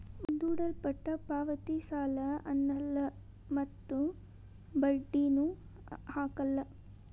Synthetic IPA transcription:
und̪uːɽɐlpɐʈːɐpaːʋɐt̪isaːlɐɐnːɐlːɐ | mɐt̪ːu | bɐɖːinu | haːkɐlːɐ

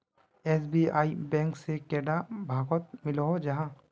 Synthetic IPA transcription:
ɛːsbiaːibɛ̃ːŋksekɛːɖabʱaːɡɔt̪̚mɪloɦod͡ʒɐɦã

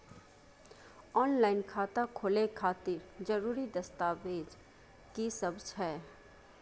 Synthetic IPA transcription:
ɔːnlaːɪnkʰaːt̪akʰolekʰaːt̪ɪɾd͡ʒɐɾuːɾid̪ɐst̪aːʋeːd͡ʒ | kisɐbd͡ʒʰɦɛː

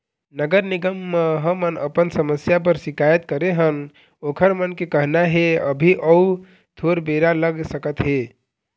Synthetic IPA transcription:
nəɡəɾniɡəmːəɦəmənə̰pənsəməsjap̬əɾsikajət̪̚kəɾeɦən | okʰəɾmənkekəɦnaɦeə̰bʱiʔəu | t̪ʰoɾbeɾaləɡsəkət̪ɦe

